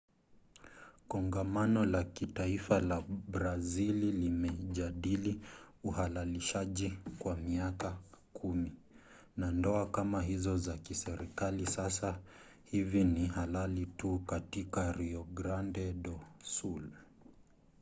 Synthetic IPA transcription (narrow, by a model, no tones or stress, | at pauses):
kɔŋɡamanɔlakitaifalabɾazililimɛʄaɗiliuhalaliʃaʄikwamiakakʰumi | nandɔakamaɦizɔzakisɛɾikalisasa | hivinihalalitukatikaɾiɔɡɾandɛɗɔsul